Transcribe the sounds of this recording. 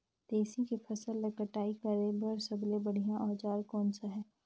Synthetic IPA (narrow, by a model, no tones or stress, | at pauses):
d̪̥eːsikipʰɐsəlːɐkəʈaːikəɾebəɾsɐblebɐɽ̤ijãʔɔːd͡ʒaːɾkɔːnsaɦɛː